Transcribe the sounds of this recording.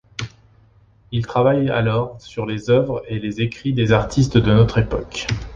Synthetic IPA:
ilt̪χavaja̰lɔʁsyʁlezœvʁelezekχid̪ezaʁt̪ʰist̪d̪ənɔt̪χepɔ̰k

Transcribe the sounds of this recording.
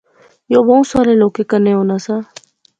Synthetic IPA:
joːbəũsaːɾeːloːkekənẽːɦõːnaːsãː

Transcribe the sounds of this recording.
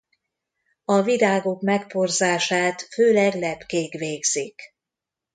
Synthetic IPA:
ɒvid̪aːɡokmɛkporzaːʃaːt̪føːlɛɡlɛpkeːɡʋeːɡz̥ik

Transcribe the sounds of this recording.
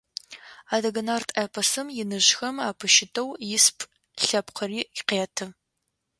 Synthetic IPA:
aːdɐɡɐnaːrtʰʼepʰɐsɨmjɪnɨʒxɐmaːpʰɨʃɪtʰɐwjɪspʰʼ | ɬɐpqɐriːɪqeːtʰɨ

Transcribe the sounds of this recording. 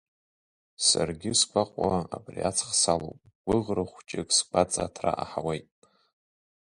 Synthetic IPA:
sarɡʲɪsɡʷaqʷʼaabriat͡sʰχsalo̰wpʼ | ɡ̥ʷʊʁrɨχʷt͡ʃʼɪkʼsɡʷat͡sʼatʰra̰ʔaħawejtʼ

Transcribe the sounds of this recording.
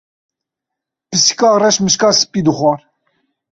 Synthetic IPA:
pɨsi̥kɑːrɛʃmɨʃkɑːsɨ̥pʼiːd̪ɨχwɑːɾ

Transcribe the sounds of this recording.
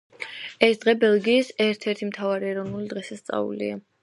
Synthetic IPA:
ɛsd̪̥ʁɛbɛlˠɡiːsɛɾt̪ʰɛɾt̪ʰimt̪ʰavaɾiɛɾɔvnulid̪ʁɛsast̪sʼa̰vṵlḭa

